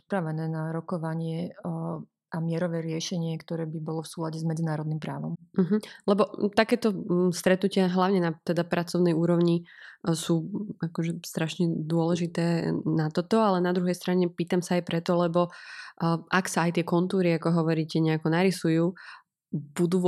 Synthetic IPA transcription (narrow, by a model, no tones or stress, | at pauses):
ipɾaʋɛnɛːnaɾɔkɔʋaɲɪɛ | amɪɛɾɔʋɛːɾɪɛʃɛɲɪɛkt̪ɔɾɛːbibɔlɔfsuːlaɟɛzmɛd͡zinaːɾɔd̪nimpɾa̰ːʋɔ̰mm̩ɦ̩lɛbɔt̪akɛːt̪ɔst̪ɾɛt̪nucɪaɦlaʊɲɛnat̪ɛd̪apɾʔat͡sɔʊnɛjuːɾɔʊɲisuːakɔʒɛst̪ɾaʃɲɛd̪ʊɔlɛʒit̪ɛːnat̪ɔt̪ɔalɛnad̪ɾuɦɛjst̪ɾaɲɛpiːt̪amsaːjpɾɛt̪ɔlɛbɔ | ʔaksaːjt̪ɪɛkɔnt̪uːɾiakɔɦɔʋɔɾiːcɛɲɛakɔnaɾisujuː | b̥ud̪uː